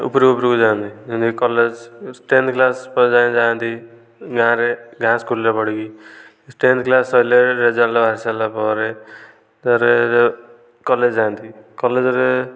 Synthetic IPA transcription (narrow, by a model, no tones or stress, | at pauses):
ṵpɾkupɾikud͡ʒaːnt̪id͡ʒind̪kikɔled͡ʒsʈend̪klaspd͡ʒãd͡ʒãːnt̪i | ɡʱãɾeɡʱãskʰulːepɔɽiɡi | sʈend̪̚klasɔjleɾed͡ʒaɾlabʱaɾisalapɔɾe | t̪ɔɾe | kɔled͡ʒd͡ʒaːnt̪ʰikɔled͡ʒɔɾe